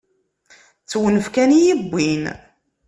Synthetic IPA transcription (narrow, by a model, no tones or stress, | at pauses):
t͡sːwənəfkænijibːin